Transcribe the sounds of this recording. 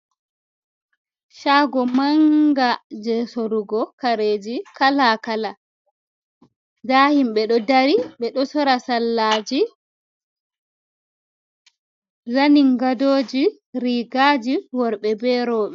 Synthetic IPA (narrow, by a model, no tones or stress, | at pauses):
ʃaɡɔmaŋɡad͡ʒɛsoɾuɡɔkaɾeːd͡ʒikalakala | dahimɓɛɗɔdaɾiɓɛɗɔsɔɾasalːaːd͡ʒi | zaniŋɡadoːd͡ʒi | ɾiːɡaːd͡ʒiwɔɾɓɛbɛɾɔːɓɛ